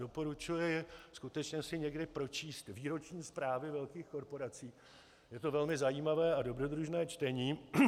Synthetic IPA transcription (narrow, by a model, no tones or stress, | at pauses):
do̞po̞ɾut͡ʃujɛjɛskut̪ɛt͡ʃɲɛsɪɲɛɡdɪpɾo̞t͡ʃiːst̪viːɾo̞t͡ʃɲiːspɾaːvɪvɛlkiːxko̞ɾpo̞ɾat͡siː | jɛt̪o̞vɛlmɪzajiːmavɛːado̞bɾo̞d̪ɾuʒnɛːt͡ʃt̪ɛɲiː